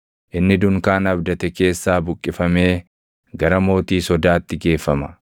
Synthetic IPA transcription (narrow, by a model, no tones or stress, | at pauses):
ʔɪnːɪd̪ʊŋkaːnɐbd̪ɐt̪ɛke̞ːsːaːbʊkʼːɪfɐme̞ː | ɡɐɾɐmo̞ːt̪iːsɔd̪aːt̪ːɪɡe̞ːfːɐmɐ̥